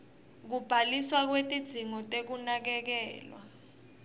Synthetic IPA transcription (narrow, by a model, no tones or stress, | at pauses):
k̬ub̥ʱaliswak̬wetʼid̥z̥ʱiŋɔtʼek̬unak̬ɛk̬ɛ̰ːlwa̰